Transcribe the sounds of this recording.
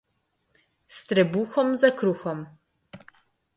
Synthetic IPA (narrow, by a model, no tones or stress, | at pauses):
st̪ɾɛbuxɔmzɐkɾuxɔm